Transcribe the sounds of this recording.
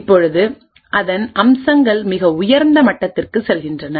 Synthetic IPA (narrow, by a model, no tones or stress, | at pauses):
pːɔɻɯðɯ | ʔɐðɐnʔɐmsɐŋɡɐɭmɪɣɐʊjɐɾnd̪ɐmɐʈːɐt̪ːɪrkɯsɛlɣɪndrɐnɐ